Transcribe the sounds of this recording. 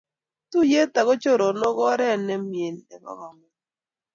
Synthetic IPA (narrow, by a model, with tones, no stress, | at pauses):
tu˦je˦ta˨ɣɔ˦t͡ʃo˦ɾo˨nɔ˦ɡɔ˦ɾɛ˦nɛ˦mje˨nɛ̰˨ɡɔ̰˦ŋɔ˨mɛ˨